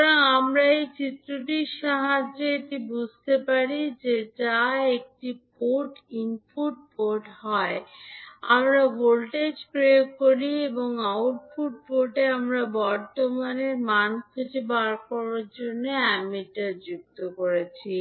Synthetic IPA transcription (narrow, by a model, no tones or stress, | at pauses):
t̪ɔɾaŋamɾaejt͡ɕit̪ːɾoʈiɾʃaɦad͡ʑeeʈibud͡ʑʱt̪epaɾid͡ʑed͡ʑaek̚ʈipoʈinpuʈ̚poʈɦɔe | a̰mɾaɡolʈed͡ʑkɾekoɾieboŋawʈ̚puʈ̚poɾʈeamɾabɔɾt̪omaneɾmankʰed͡ʑibaɾkɔɾaɾd͡ʑonːeamiʈad͡ʑuk̚t̪okoɾet͡ɕʰi